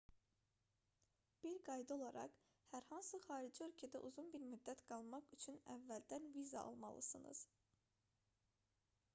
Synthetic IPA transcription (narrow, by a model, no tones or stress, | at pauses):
b̥iɾɡɑjd̪ɯo̞lˠɑɾɑ̰χ | hæɾhɑnsɯχɑːɾid͡ʒiø̞lʲcʰæd̪æʔuzunbiɾmyd̪ːæt̪ɡ̥ɑlˠmɑχyt͡ʃʰynævːæld̪ænvizɑ̰ɑ̰lˠmɑ̰lˠɯ̰sɯnɯ̰z̥